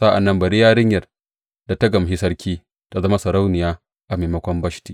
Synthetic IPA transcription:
sa˦ʔa̰˨nːɐ˦mbɐ˨ɽiː˦jaː˦ɽɪ˦ɲjɐ˨r | da˨ta˦ɡɐ˨m˨ɦi˦sɐ˦ɾkʲʰiː˦ | ta˦zɐ˦ma˦sɐ˨ɾa˦wnɪ˨jaː˦ | ʔa˨meː˨mɐ˦kʷɔ˦mbɐ˦ʃti̥ː˨

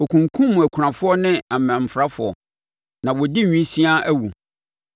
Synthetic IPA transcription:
o˨kʰũ˨ŋkʰũ˦mʊ̃˨æ˨kʷʰɾã˨fʊ˦ɔ˦nɪ̃˦a˨mã˨m̩˨fɾa˦fʊ˨ɔ̰˨ | nã˨wɔ˨di˦˨ɲᶣĩ˦sĩ˦a˦ʔæ˦wu˨

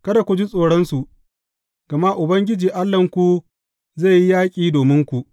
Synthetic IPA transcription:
kɐ˦da˨kʷu˨d͡ʒi˦sʼoː˨ɽɔ˦nsu˨ | ɡ̥ɐ˨ma˦ʔʊ˨bɐ˦ŋɡʲɪ˦d͡ʒiː˨ʔa˦lːɐ˨ŋkʷu˨ | za˦˨ji˦jaː˦kʲʼiː˦doː˨mɪ˦ŋkʷu˨ʔ

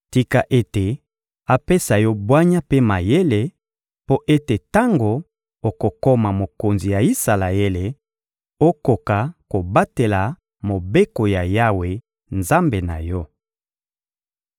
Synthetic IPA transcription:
ti˦ka˦ʔe˦te˨ | a˦pe˦sa˨jɔ˦bwa˦ɲa˦pe˦ma˨je˦le˨ | po˦ʔe˦te˨ta˦ŋɡo˨ | o˨ko˨ko˦ma˨mo˨ko˨nzi˨ja˨i˦sa˨la˨e˦le˨ | o˦ko˨ka˨ko˨ba˦te˨la˨ | mo˨be˦ko˨ja˨ja˦we˨ | nza˦mbe˨na̰˨jɔ˦

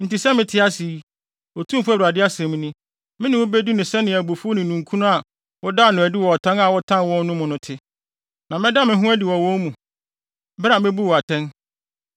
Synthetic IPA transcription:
n̩˨ti˨sɛ˦mɪ̃˦tʰɪ˦a˦si˨˦ | ɔ˨tʰũ˦m˦fu˦æ˦˨a˨dɪ˦a˦sɛ̃˨m̃˦nɪ̃˦ | mɪ̃˦nɪ̃˨wʊ˦be˦du˦nʊ̃˨sɛ˦nɪ̃˨æ˨bo˨fu˦o˦nɪ̃˨nũ˨ŋkʰũ˦nʊ̃˦a˨ | wɔ˦da˦˨nʊ̃˨æ˨di˦wɔ˨ɔ˨tʰã˦na˨wɔ˦tʰã˦nwɔ̃˦n˦nʊ̃˦mʊ̃˨nʊ̃˦tʰɪ˦ | nã˨mɪ̃˦da˦˨mɪ̃˦ɦũ˦æ˦di˨wɔ˨wɔ̃˦n˦mũ˨ | bɾa˨mɪ̃˦bu˦wɔ˨a˨tʰɛ̃˦n

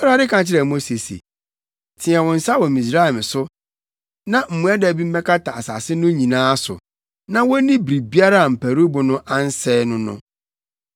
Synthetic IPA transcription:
ɔ˦ɾa˦ɾɪ˦kʰã˨t͡ɕʰɪ˦ɾɛ˨mo˦se˨sḛ˨ | tʰɪ̃˨ɛ˨wɔ̃˨n̩˨sa˦wɔ˨mĩ˨sɾa˦ɛ˨m˨sʊ˦ | nã˦m̩˨mũ˦a˦dɛ˨bi˦m̩˦mɛ̃˦kʰa˦tʰa˨a̰˨sa̰˨sɪ˦nʊ̃˦ɲĩ˨nãː˦sʊ̰˨ | nã˦wɔ˦nĩ˦bɾi˨bi˦a˦ɾa˦a˨m̩˨pʰæ˨ɾu˦bʊ˨nʊ̃˦ʔa˦n̩˦sɛː˦nʊ̃˦nʊ̰̃˦

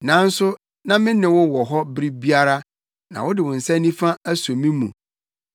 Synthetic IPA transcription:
nã˨˦n̩˦sʊ˦ | nã˦mɪ̃˦nɪ̃˨wʊ˦wɔ˨ɦɔ˦bɾi˦bi˦a˦ɾa˦ | nã̰˨wʊ˦dɪ˨wʊ̃˨n̩˨sɛ̃˦nːĩ˦fã˦æ˦so˨mĩ˦mṵ̃˨

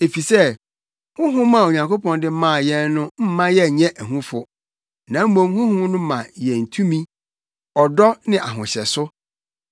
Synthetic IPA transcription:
e˨fi˨sɛ˦ | hʊ̃˦ɦʊ̃˦mã˦˨o˨ɲã˨ŋkʰo˦pʰɔ̃˨ndɪ˦mã˦˨jɛ˦nnʊ̃˦m̩˦mã˦jɛ˦ɲɛ̃˦ʔæ˨ɦũ˦fʊ˨ | nã˨m̩˦mõ˦mhʊ̃˦hʊ̃˦nʊ̃˦mã˨jɛ˨n̩˨tʰũ˦mĩ˦ | ɔ˨dɔ˦nɪ̃˦ʔa˨ɦʊ̃˨ɕɛ̰˨sʊ˦

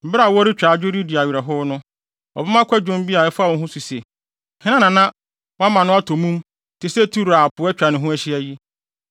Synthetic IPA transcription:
m̩˨bɪ˦ɾa˨wɔ˦ɾɪ˦t͡ɕᶣaː˨d͡ʑᶣe˦ɾi˦di˨a˨ɥi˨ɾa˨ɦʊ˦nʊ̃˦ | ɔ̰˨bɪ˦mã˦kʷʰɛ˦d͡ʑᶣõ˦m˦bi˦a˨ɛ˦fa˦˨wɔ̃˦nɦʊ̃˦su˨se˨ | hɪ̃˦nã˦nã˨nã˦ | wa˦mã˨nʊ̃˦a˦tʰo˨mũ˦m | tʰɪ˨se˦tʰu˦ɾa˨a˨pʊ˨˦ɛ˦t͡ɕᶣa˨nɪ̃˨ɦʊ̃˦æ˦ɕɪ˦æ˦ji˦

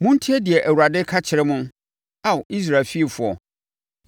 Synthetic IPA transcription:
mʊ̃˦n̩˦tʰi˦ɛ˦dɪ˨ɛ˨ʔæ˨wu˨a˨dɪ˦kʰa˦t͡ɕʰɪ˨ɾɪ˦mʊ̃˦n | a˦wʔi˦s̬ɾa˨lfi˦˨fʊ˨ɔ̰˨

